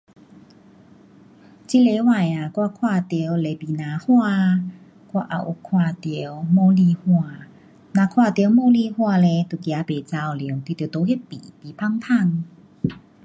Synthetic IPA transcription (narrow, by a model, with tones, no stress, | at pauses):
t͡ɕi˦˥le˧˦wa˨ja˨˩kwa˦˧kʰwaː˧t̪i˧˦wle˨˧pi˨nã˨˦hwa˥˧ | kwa˦˧ʔa̰˨˩ʔu˨˩kʰwaː˧˩t̪ə˨˧˦mɔː˧li˧hwa˧˨ | nã˨˧˨kʰwa˥˧˨t̪jwmɔ˧˦li˧hwa˥˧˨le˧˦t̪u˨˩kja˨˦pe˨t͡sa˧wli˨˦ŋk̪i˨˩t̪ːt̪o˧˦ɦe˦t̚pḭ˨pi˨pʰa˥˧ŋt̪ʰa˥˧˨ŋ